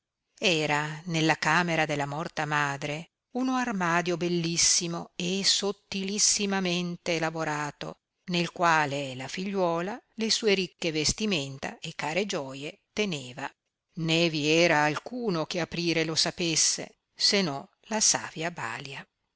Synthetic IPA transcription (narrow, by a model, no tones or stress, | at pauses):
ɛːɾanelːakaːmeɾad̪elːamɔrt̪amaːd̪ɾe | unoarmaːd̪jobelːisːimoesot̪ːilisːimament̪elavoɾaːt̪o̰ | nelkwaːlelafiʎːwɔːlalesuːeɾikːevest̪iment̪a̰ekːaːɾed͡ʒɔːjet̪eneːva | neviɛːɾaːlkuːnok̟eapɾiːɾelosapesːḛ | senɔ | lasa̰ːvjaba̰ːlja